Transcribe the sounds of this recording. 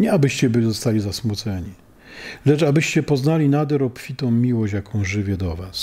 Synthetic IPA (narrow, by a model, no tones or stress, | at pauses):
ɲɛabɘɕt͡ɕɛbɘizɔst̪alʲizasmut̪sɛɲi | lɛt͡ʂabɘɕt͡ɕɛpɔznalʲinad̪ɛɾɔpfʲit̪ɔ̃w̃mʲiwɔɕjakɔ̃w̃ʐɘvʲjɛd̪ɔvas